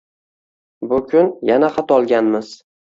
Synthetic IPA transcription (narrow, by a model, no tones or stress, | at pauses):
bʊkʲʰʊnjanaqʰɑt̪ɒlˠɡʲanmɪz̥